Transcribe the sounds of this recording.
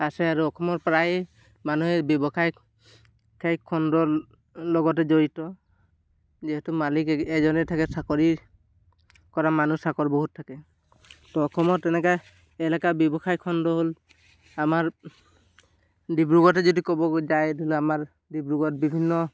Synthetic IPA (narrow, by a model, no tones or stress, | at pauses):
asɛaɹuɔkʰɔmɔɹpɹaj | manuɦɛɹbjɔbɔkʰaj | kʰajkʰɔndɔ | lɔɡɔt̬ɛzoɹitɔ | ziɦɛtumalikɛzɔnɛtʰakɛsakɔɹi | kɔɹamanusakɔɹboɦutʰːakɛ | tɔɔkʰɔmɔtɛnɛka | ɛlakabjɔbɔkʰajkʰɔndɔɦol | amaɹ | dibɹuɡɔtɛzodikɔbɔzajdilɛamaɹ | dibɹuɡɔtbibʱinːɔ